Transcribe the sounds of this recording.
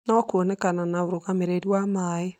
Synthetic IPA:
nɔkuonɛkananaoɾuɣameɾeɾiwamae

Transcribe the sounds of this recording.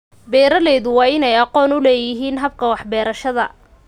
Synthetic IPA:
bɛːɾɐlɛːðʊwɑːɪnɛjɑqɔːnʊlɛːjɪɦiːnɦɐb̚kʰɐwɑħbɛːɾɐʃɐðɐ

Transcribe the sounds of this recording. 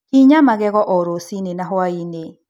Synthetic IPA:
kiɲamaɣɛɣɔʔɔɾosinenaɦwaine

